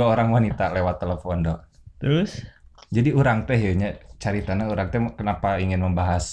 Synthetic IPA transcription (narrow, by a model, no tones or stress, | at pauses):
aoɾaŋwanit̪alewat̪ːeləfɔndɔ | t̪ɾʊsd͡ʒadiuɾaŋt̪ɛɦjoɲat͡ʃaɾit̪anauɾaŋt̪ɛkənapaiŋɪnməmbaɦas